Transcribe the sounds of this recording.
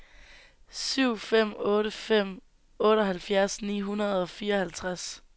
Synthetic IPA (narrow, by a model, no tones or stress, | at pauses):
syʊ̰fem̰ɔ̽ːɾəfem̰ | ɔ̽ːɾəɒɦælfjæɐsnḭːɦunɐð̩ˠɒ̽fiːɐɒ̽hælt͡sʰʁas